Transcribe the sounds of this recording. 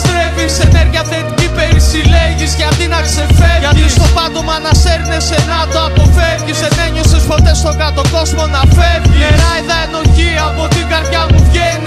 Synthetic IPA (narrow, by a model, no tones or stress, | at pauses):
st̪ɾeviseneɾʝiɐθet̪icipe̞ɾisileʝiscɐft̪inɐkse̞feɾʝɐt̪ist̪opɐnd̪omɐːnɐseɾinesenɐt̪oɐpo̞fevʝiseneɲosespo̞t̪e̞st̪o̞ɡɐt̪o̞ko̞zmo̞nɐfeɾieɾɐiðɐeno̞çiɐpot̪iɡɐɾt̪ʝɐmuvʝeni